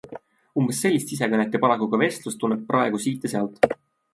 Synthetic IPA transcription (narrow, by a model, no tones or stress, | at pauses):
umb̥esːe̞lʲːist̪is̬ekɤnet̪ːˑepɑlɑkukɑve̞st̪lust̪ːunːep̚prʔɑeɡ̥usiːt̪ˑːeseɑlt̪ˑ